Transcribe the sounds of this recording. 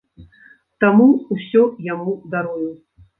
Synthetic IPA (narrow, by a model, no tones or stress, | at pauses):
t̪amuːsʲɔjamud̪aɾuju